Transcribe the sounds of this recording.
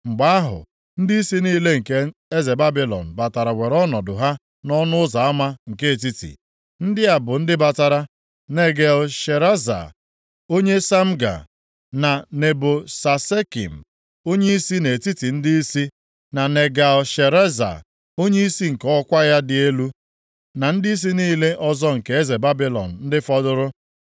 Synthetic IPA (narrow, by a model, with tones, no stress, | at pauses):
ŋ͡m̩˨ɡ͡ba˦a˦ɦʊ̰˨ | n̩˦di˦i˦si˦niː˦le˦ŋ̩˨ke˦e˦ze˨ba˦bi˦lɔ̰˨n̩˨ba˨ta˨ɾa˨we˨ɾɔ˦nɔ˨dʊ˨ɦa˦ | nɔ˦nʊ˦ʊ˦za˨a˦ma˦ŋ̩˨ke˦e˨t̬i˦tḭ˨ | n̩˦dɪ˦a˨bʊ˨n̩˦dɪ˦ba˨ta˨ɾa˦ | ne˨ɡe˨lʃe˨ɾa˦za̰˨ | o˦ɲe˦sa˦m̩˦ɡa̰˨ | na˨ne˨bʊ˨sa˨se˦kḭ˨m̩˨ | o˦ɲe˦i˦si˦ne˨e˨ti˦ti˨n̩˦dɪ˦i˦si˦ | na˨ne˨ɡa˨lʃe˨ɾe˦za̰˨ | o˦ɲe˦i˦si˦ŋ̩˨kɔ˦kʷa˦ja˦dɪ˨e˦lu˦ | na˨n̩˦dɪ˦i˦s̬i˦niː˦le˦ʔɔ˦zɔ˦ŋ̩˨ke˦e˦ze˨ba˦bi˦lɔ̰˨n̩˨n̩˦dɪ˦fɔ˦dʊ˦ɾʊ˦